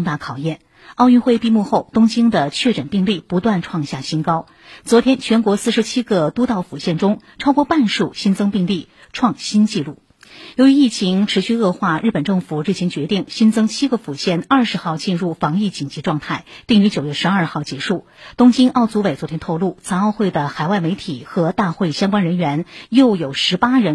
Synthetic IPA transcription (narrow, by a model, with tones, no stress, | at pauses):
ŋt̪a˥˩kʰɑ˨˩ʊjɛ˥˩n | ɑ˥˧ʊy˥˧nxwe˥˧ɪpi˥˧mu˥˧xo˥˩ʊt̪ʊ˥ŋt͡ɕi˥ŋd̪ə˨t͡ɕʰɥɛ˥˩ʈ͡ʂə˨˩npi˥˧ŋli˥˩pu˧˥t̪wa˥˧nʈ͡ʂʰwɑ˥˧ŋɕja˥˩ɕi˥nkɑ˥ʊ | t͡swɔ˧˥t̪ʰjɛ˥nt͡ɕʰɥɛ˧˥nkwɔ˧˥sɹ̩˥˩ʂɻ̩˧˥t͡ɕʰi˥ɡə˧t̪u˥t̪ɑ˥˩ʊfu˨˩ɕjɛ˥˩nʈ͡ʂʊ˥ŋ | ʈ͡ʂʰɑ˥ʊkwɔ˥˧pa˥˧nʂu˥˩ɕi˥nt͡sɤ˥ŋpi˥˧ŋli˥˩ | ʈ͡ʂʰwɑ˥˧ŋɕi˥nt͡ɕi˥˧lu˥˩ | jo˧˥ʊɥy˧˥i˥˩t͡ɕʰi˧˥ŋʈ͡ʂʰɻ̩˧˥ɕy˥˧ɤ˥˧xwa˥˧ɻ̩˥˩pə˨˩nʈ͡ʂɤ˥˩ŋfu˨˩ɻ̩˥˩ɕʰi˧˥ŋt͡ɕɥɛ˧˥t̪i˥˩ŋɕi˥nt͡sɤ˥ŋt͡ɕʰi˥ɡə˨˩fu˨˩ɕjɛ˥˧nɐ˞˥˩ʂɻ̩˧˥xɑ˥˧ʊt͡ɕi˥˧nɻu˥˩fɑ˧˥ŋi˥˩t͡ɕi˨˩ŋnt͡ɕi˧˥ʈ͡ʂwɑ˥˧ŋt̪ʰa˥˩ɪt̪i˥˩ŋy˧˥t͡ɕjo˨˩ʊɥɛ˥˧ʂɻ̩˧ɐ˞˥˧xɑ˥˩ʊt͡ɕjɛ˧˥ʂu˥˩t̪ʊ˥ŋt͡ɕi˥nʔɑ˥˩ʊt͡su˧˥we˨˩ɪt͡sw̪ʰjɛ˥nt̪ʰo˥˧ʊlu˥˩t͡sʰa˧˥nɑ˥˧ʊxwe˥˩ɪd̪ə˩xa˨˩ɪwa˥˩ɪme˧˥ɪt̪ʰi˨˩˦xɤ˧˥t̪a˥˧xwe˥˩ɪɕjɑ˥ŋkwa˥nɻə˧˥nɥɛ˧˥njo˥˩ʊjo˨˩ʊʂɻ̩˧˥pa˥ɻə˧˥n